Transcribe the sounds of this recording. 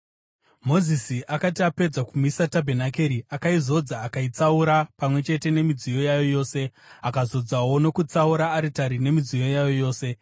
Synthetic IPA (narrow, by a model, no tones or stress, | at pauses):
mo̞zisiʔakatiape̞d͡zakumisatabʱenakeɾiakaizo̞d͡zaːkait͡sauɾapamwe̞t͡ʃe̞te̞ne̞mid͡zijo̞jajo̞jo̞ːse̞ | akazo̞d͡zawo̞no̞kut͡sauɾaːɾitaɾine̞mid͡zijo̞jajo̞jo̞ːse̞